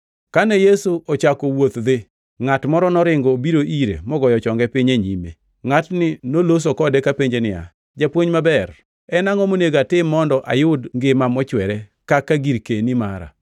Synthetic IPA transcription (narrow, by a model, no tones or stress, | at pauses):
kanɛjesuɔt͡ʃakɔwot̪d̪ɪ | ŋatmɔɾɔnɔɾɪŋɡɔbiɾoʔiɾḛmɔɡɔjɔt͡ʃɔŋɡɛpɪɲeɲimḛ | ŋatnɪnolos̬okɔdɛkapeɲd͡ʒenɪja̰ | d͡ʒapwoɲmabɛr | ɛnaŋɔmoneɡatɪmːɔndɔʔa̰jʊdŋɡɪmamɔt͡ʃwɛɾɛkakaɡiɾkenima̰ɾa̰